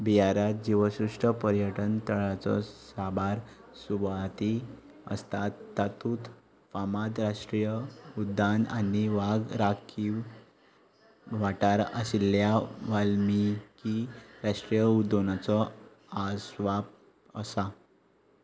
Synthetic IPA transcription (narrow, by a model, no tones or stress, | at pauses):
biaɾjat̪̚d͡ʑiʋəɕɾuʂʈəpəɾjəʈənt̪əɭat͡sɔ̰sabaɾ | subat̪i | ə̰st̪at̪ːat̪uːt̪ | famad̪ɾaʂʈɾijəud̪ːana̰niʋaɡɾakʰi | ʋaʈaɾəsiljaʋalmikiɾaʂʈɾijəud̪ːonat͡sɔ | asʋap̚ | əsa